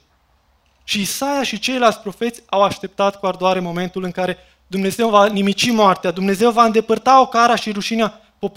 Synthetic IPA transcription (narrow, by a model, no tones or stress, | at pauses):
ʃiːsajaʃit͡ʃe̞jlalt̪sʲpɾo̞fe̞t̪sʲawaʃt̪e̞p̚t̪at̪kuard̪oaɾe̞mo̞me̞nt̪ulɨŋkaɾe̞ | d̪umne̞ze̞wvanimit͡ʃimoart̪ead̪umne̞ze̞wvaɨnd̪e̞pərt̪ao̞kaɾaʃiɾuʃinea | po̞p